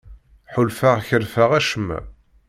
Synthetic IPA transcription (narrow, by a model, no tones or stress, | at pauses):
ħʊlfaʁçəɾfaʁæʃəmːæ̰